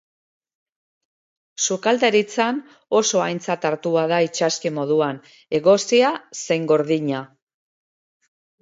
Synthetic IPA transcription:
sukald̪eɾit͡san | o̞so̞ajnt͡sat̪aɾt̪uaðait͡ʃaskemo̞ðuan | e̞ɣo̞siase̞jŋɡo̞ɾðiɲa

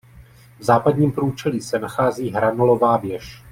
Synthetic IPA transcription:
vzaːpadɲiːmpɾuːt͡ʃɛliːsɛnaxaːziːɦɾanolo̞vaːvjɛʃ

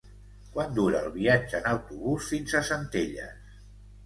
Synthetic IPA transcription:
kwand̪uɾəːlˠβiad͡ʒəːnəwt̪uβusfinzəsənt̪eʎə̰s

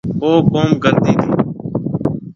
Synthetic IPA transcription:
ɦoːkoːmkəɾt̪iːt̪ʰiː

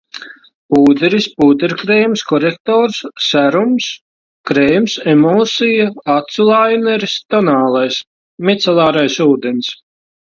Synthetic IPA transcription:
puːd̪eɾispuːd̪ɛɾkɾeːjmskɔɾek̚t̪ɔːɾsːæɾums | kɾejmsɛmɔːsijaat̪sulˠajnɛɾist̪ɔnaːlˠajs | mit̪sɛlˠɑːɾajsuːd̪ens

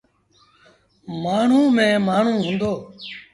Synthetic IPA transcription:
maːɳ̤ũːmẽːmaːɳ̤ũːɦʊ̃ːnd̪oː

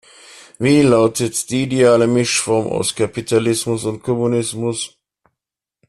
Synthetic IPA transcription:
viːlaʊtʰətd̥iːideaːləmɪʃfɔɐma̰ʊskʰapitʰalɪsmʊsʊntkʰɔmunɪsmʊs

